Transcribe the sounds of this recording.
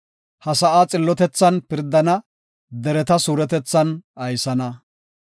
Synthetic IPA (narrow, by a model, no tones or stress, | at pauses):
hɐsɐʔaːt͡sʼɪlːɔt̪ɛt͡sːɐnpɪɾd̪ɐnɐ | d̪ɛɾɛt̪ɐsuːɾɛt̪ɛt͡sːɐnɐjsɐnɐ